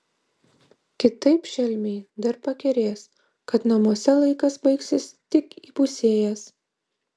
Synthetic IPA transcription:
kʲɪt̪ɐɪpʃʲɛlʲmʲɛɪd̪ɐɾpɐkʲɛɾʲeːs | kɐt̪nɐmuɔsʲɛlˠɐɪkɐsbɐɪksʲɪst̪ʲɪkiːpʊsʲeːjɛs

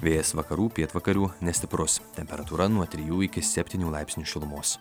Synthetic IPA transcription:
ʋʲeːjɛsʋɐkɐɾuːpʲiɛt̪ʋɐkɐɾʲuːnʲɛsʲt̪ʲɪpɾʊst̪ʲɛmʲpʲɛɾɐt̪uːɾɐnuɔt̪ʲɾʲijuːɪkʲɪsʲɛpʲt̪ʲiːnʲuːlˠɑɪpsʲnʲuːʃʲɪlˠʊmoːs

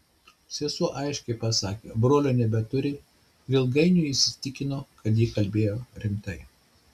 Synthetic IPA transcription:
sʲesuːʔɐɪʃʲkʲɛɪpɐsɑːkʲeːbɾoːlʲoːnʲɛbʲɛt̪ʊɾʲɪ | ʋʲɪlˠɡɐɪnʲʊːɪsʲɪt̪ʲɪkʲɪnoːkɐt̪̬jiːkɐlʲbʲeːjoːɾʲɪmt̪ɐɪ

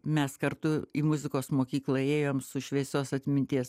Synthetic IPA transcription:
mʲɛskɐɾt̪ʊiːmʊzʲɪkoːsmoːkʲiːklˠɐeːjoːmsʊʃʲʋʲiɛsʲoːsɐt̪ʲmʲɪnʲt̪ʲiɛs

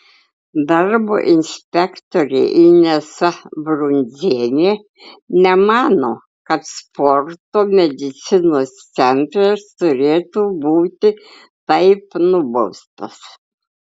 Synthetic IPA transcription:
d̪ɑɾbo̰ːʔɪnʲsʲpʲɛkt̪oːɾʲɛ̰ːʔɪnʲɛsɐbɾʊnʲzʲeːnʲeː | nʲɛmɑːnoː | kɐt̪spɔɾt̪oːmʲɛd̪ʲɪt̪sʲɪnoːst̪sʲɛnt̪ɾɐst̪ʊɾʲeːt̪uːbuːt̪ʲɪ | t̪ɐɪpnʊbɐʊst̪ɐs

